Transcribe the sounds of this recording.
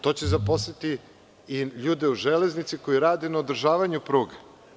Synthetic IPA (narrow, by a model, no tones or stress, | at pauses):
t̪o̞t͡ɕezapo̞sit̪i | iʎuːd̪e̞uʒeleznit̪siko̞jiɾaːd̪enaod̪ɾ̩ʒaːʋaɲupɾuːɡa